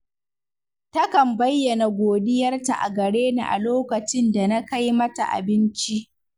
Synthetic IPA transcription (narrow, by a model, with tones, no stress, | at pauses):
tɐ˦kɐ˨mbɐ˦jːɐ˨na˨ɡʷoː˨dɪ˦jɐ˦rta˨ʔa̰˨ɡɐ˨ɽeː˦nḭ˨ʔa̰˨loː˦kɐ˨t͡ʃɪ˦nda˨na˦ka˦jmɐ˦ta̰˨ʔa̰˨bɪ˦nt͡ʃi˦ʔ